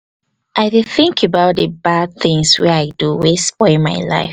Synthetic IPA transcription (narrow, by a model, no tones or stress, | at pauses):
ʔaɪdɨθɪ̃ŋkʰəbaʊt̚ðəbad̚θɪ̃ŋswɛaɪduwɪspɔma̰ɪla̰ɪf